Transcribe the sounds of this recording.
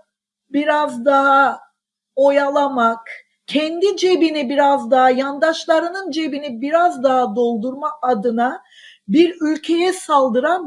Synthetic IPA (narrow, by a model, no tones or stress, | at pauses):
biɾazd̪aɦa | o̞jalˠamak | cʰɛnd̪id͡ʒe̞binibiɾazd̪aɦajand̪aʃlˠaɾɯnɯnd͡ʒe̞binibiɾazd̪aɦad̪o̞lˠd̪uɾmaʔad̪ɯna | biɾylʲcʰe̞jɛsalˠd̪ɯɾan